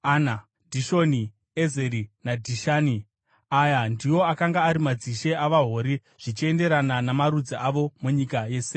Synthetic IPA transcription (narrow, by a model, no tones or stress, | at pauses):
ana | dʱiʃo̞ni | ezeɾinadʱiʃaːni | ajandiwo̞akaŋɡaːɾimad͡ziʃe̞aʋaɦo̞ɾi | ʐ̥it͡ʃie̞nde̞ɾananamaɾud͡ziʔaʋo̞muɲikaje̞ːse